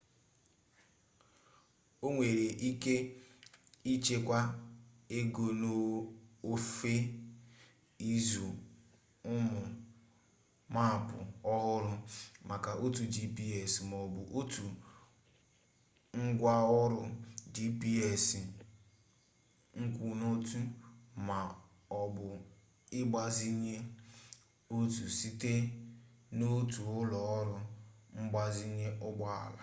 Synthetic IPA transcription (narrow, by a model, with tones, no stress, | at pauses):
o˦ŋʷe˨ɾe˨ʔi˦ke˦ | i˦t͡ʃe˦kʷa˦ | e˦ɡo˨no˦o˦fe˦ | i˦zu˨ | ʊ˦mʊ˨ | ma˦˨pʊ̰˨ɔ˦ɦʊ˦ɾʊ˦ma˨ka˨o˦tu˨d͡ʒi˦pi˦e˨smɔ˨bʊ˨ʔo˦tu˨ | ŋ̩˦ɡʷa˦ɔ˦ɾʊ˦d͡ʒi˦pi˦e˨si˨ | ŋ̩˦kʷu˨no˦tu˦ma˨ | ɔ˨bʊ˨ | ɪ˦ɡ͡ba˦zi˦ɲe˦ | o˦tu˨si˦te˦ | no˦tu˨ʊ˦lɔ˦ɔ˦ɾʊ˦ŋ͡m̩˦ɡ͡ba˦zi˦ɲe˦ʔʊ˦ɡ͡ba˦a̰˨la̰˨